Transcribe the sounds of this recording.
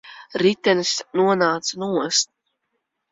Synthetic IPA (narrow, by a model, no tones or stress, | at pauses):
ɾit̪ʲɛnɨsnuɔnaːt̪sanuɔst̪